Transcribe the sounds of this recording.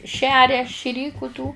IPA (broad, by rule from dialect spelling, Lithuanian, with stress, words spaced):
ˈʃʲæːrʲɛ ʃʲɪˈrʲiːkʊ tuː